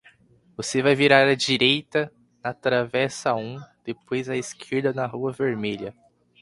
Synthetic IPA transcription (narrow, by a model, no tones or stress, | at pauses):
vosevajviɾaɾɐd͡ʒiɾejt̪ɐ | nɐt̪ɾavɛsɐaũd̪̥epojzɐeskʰeɾd̪ɐnɐɦuɐveɾmeʎɐ